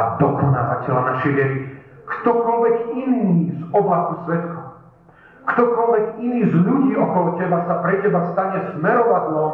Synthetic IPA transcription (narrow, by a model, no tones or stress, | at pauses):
ad̪ɔkɔna̰ːva̰cɛlanaʃɛjʋɛɾi | kt̪ɔkɔlʋɛkiniːzɔblasusʋɛt̪kɔʊ | kt̪ɔkɔlʋɛkiniːzʎuɟiːɔkɔlɔcɛbasapɾɛcɛbast̪aɲɛsmɛɾɔʋadlɔ